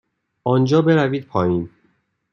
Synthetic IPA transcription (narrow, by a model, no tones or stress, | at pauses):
ʔɒːnd͡ʒɒːbe̞ɾæviːd̪̚pʰɒːiːn